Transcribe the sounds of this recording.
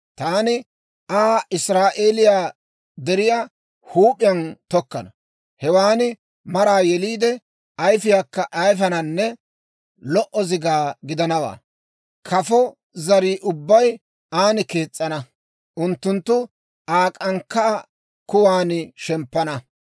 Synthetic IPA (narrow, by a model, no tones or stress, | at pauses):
t̪aːnɪ | aːʔɪsɾaːʔeːlɪjaː | d̪ɛɾɪjaː | huːpʼɪjɐnt̪ɔkːɐnɐ | hɛwaːnɪ | mɐɾaːjɛliːd̪ɛ | ɐjfɪjaːkːɐʔɐjfɐnɐnːɛ | lɔʔɔzɪɡaːɡɪd̪ɐnɐwa̰ː | kʰɐfɔ | zɐɾiːʔʊbːɐj | ʔaːnɪkeːt͡sʼːɐnɐ | ʔʊnt̪ːʊnt̪ːʊ | aːkʼɐŋkːɐʔː | kʊwaːnɪʃɛmpːɐnɐ